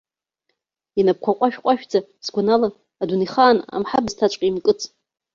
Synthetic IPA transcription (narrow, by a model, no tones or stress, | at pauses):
inap̚kʷʰaqʷʼaʃᶣqʷʼaʃᶣd͡zaz̥ɡʷanalaː | duniχaːna̰mħabztʰat͡ʃʷʼqʼiimkʼɨt͡sʼ